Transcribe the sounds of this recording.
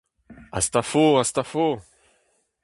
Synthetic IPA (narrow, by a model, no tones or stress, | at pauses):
ast̪afoast̪afo